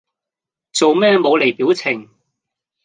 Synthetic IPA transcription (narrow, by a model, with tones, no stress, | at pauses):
t͡so˨wmɛː˥˧mo˨˧wle˨˩jpiː˨˥wt͡sʰɪ˨˩ŋ